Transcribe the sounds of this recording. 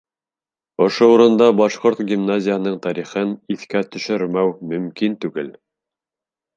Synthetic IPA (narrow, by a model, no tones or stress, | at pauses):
ŏʃouɾɤ̆nd̪ɑbɑʃqoɾt̪ɡʲimnazʲɪjəhɤ̆nɤɴt̪ɑɾiχɤniθkæt̪ɵ̆ʃɵ̆ɾmæwmɵ̆mkint̪ʉɡɘl